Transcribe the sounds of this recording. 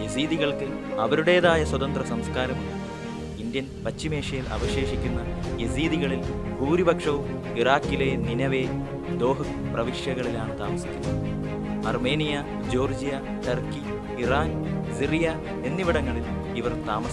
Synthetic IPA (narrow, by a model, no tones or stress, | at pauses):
jesiːðiɣɐɭkɨ | ɐʋɐɾuɽe̞ːðaːjɐswɐd̪ɐnd̪rɐsɐmskaːɾɐm | ind̪jɐnpɐt͡ɕːime̞ːʂɐjilʔɐ̰ʋɐɕe̞ːʂikʲːunːɐjesiːðiɣɐɭil | puːɾibɐkʂɐʋum | iraːkːile̞ninɐʋe̞ː | d̪o̞ːɦɨ | prɐʋiʂjɐɣɐɭilaːɳɨt̪aːmɐsikʲːunːɐð | ɐrme̞ːnijɐ | d͡ʑo̞ːrd͡ʑijɐ | ʈɐrki | iraːnsirijɐ | e̞nːiʋiɽɐŋːɐɭil | iʋɐrt̪aːmɐs